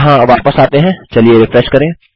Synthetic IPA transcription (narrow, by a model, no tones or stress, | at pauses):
ɦãʋaːpəsaːt̪eɦɛ̃t͡ʃɐlieɾɪfɾɛʃkɐɾẽː